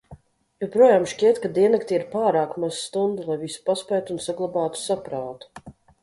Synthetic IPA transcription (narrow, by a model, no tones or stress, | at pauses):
jɛwpɾuɔjaːmʃcʲiɛt̪kad̪iɛnakt̪ʲiiɾpaːɾaːkmaz̥st̪und̪ulˠajvisu̥paspɛjt̪uːnsaɡlˠabaːt̪u̥sapɾaːt̪u̥